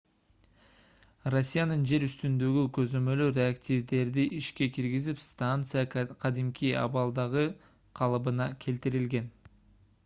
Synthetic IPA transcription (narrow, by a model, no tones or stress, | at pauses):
ro̞sʲːijanɯnd͡ʒe̞ɾyst̪ynd̪ø̞ɡykø̞zø̞mø̞lyɾʲe̞aktʲivd̪e̞ɾd̪iʔiʃke̞kiɾɡizipst̪ant̪sɨjaqʰɑd̪imkʲiɑ̰βɑlˠd̪ɑʁɯ | qʰɑlˠɯbɯnɑkʲʰe̞lt̪iɾilɡe̞n